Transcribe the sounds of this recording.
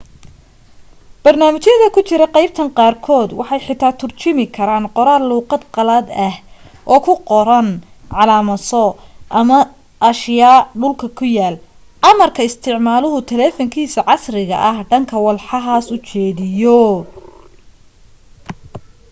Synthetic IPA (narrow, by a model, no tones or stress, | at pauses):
b̥ɐrnaːmɪt͡ʃjɐðɐkʰʊt͡ʃɪɾɐqɑjb̚t̪ʰɐŋqɑːrkʰɔːd̪wɑħɑjħɪt̪ʰːaːt̪ʰʊrt͡ʃɪmɪkʰɐɾaːnqɔɾaːluːqɑd̪qɑlɐd̪ɐh | ʔɔːkʰʊqɔɾɐn | ʕɑlaːmɐsɔʔɐmɐ | ʔɐʃjaːɖʊlkʰɐkʰʊjaːl | ʕɑmɐrkʰɐɪst̪ʰɪʕmaːlʊɦʊt̪ʰɛlɛːfɔŋkʰiːsɐʕɑsrɪɣɐ̰ʔɐhɖɐŋkʰɐwɑlħɑɦaːsʊt͡ʃɛːðɪjɔ